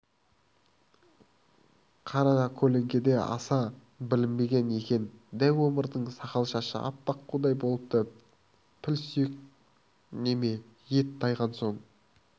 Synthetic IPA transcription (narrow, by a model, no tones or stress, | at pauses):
qʰɑɾɑnɑkʲʰɵle̞ŋɡʲe̞d̪e̞ɑ̰sɑ | bɪlɪmbe̞ɡʲe̞ne̞kʲe̞nd̪æjwo̞məɾd̪əɴsɑqɑlˠʃɑʃə̰ʔɑ̰p̚t̪ɑqːud̪ɑjbo̞lˠəp̚t̪ə | pʰɪlsyjek̚ | ne̞me̞jet̪̚d̪ɑjʁɑnso̞ɴ